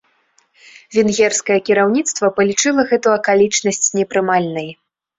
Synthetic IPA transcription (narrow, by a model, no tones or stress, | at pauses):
vʲɛnɣʲɛrskɐjɐkʲiɾawnʲit̪st̪vɐpɐlʲit͡ʂɨlˠɐɣɛt̪uɐkalʲit͡ʂnɐsʲt͡sʲnʲɛpɾɨmalʲnɐj